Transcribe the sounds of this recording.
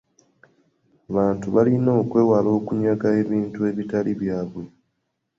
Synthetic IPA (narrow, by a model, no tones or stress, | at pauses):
aβaːntuβalino̞ːkwe̞ːwalo̞ːkuɲakae̞βiːntue̞βitaliβjaːβwe̞